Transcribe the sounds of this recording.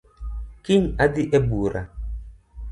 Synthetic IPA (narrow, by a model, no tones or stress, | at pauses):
kiɲadiʔɛbuɾa